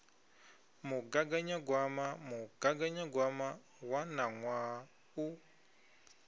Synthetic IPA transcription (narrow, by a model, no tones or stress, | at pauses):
muɡaɡaɲaɡwamamuɡ̥aɡaɲaɡwama | wanaŋwa | u